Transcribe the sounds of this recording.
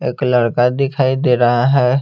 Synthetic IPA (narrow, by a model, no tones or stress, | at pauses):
eːkləɽkad̪ɪkʰaːid̪eːɾaɦaɦɛː